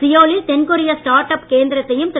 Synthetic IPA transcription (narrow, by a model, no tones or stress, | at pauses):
sɪjoːlɪlt̪ɛnkʊɾɪjɐsʈaːɾʈɐpkeːnd̪ɪɾɐt̪ːɐjɯmt̪ɪ